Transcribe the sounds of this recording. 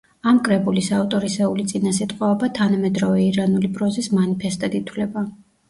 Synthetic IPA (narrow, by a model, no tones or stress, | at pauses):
amkʼɾɛbulisaft̪ʼɔɾisɛulit̪sʼinasit̪ʼqʼɔbat̪ʰanamɛd̪ɾɔvɛiɾanulipʼɾɔzismanipʰɛst̪ʼad̪it̪ʰwlɛba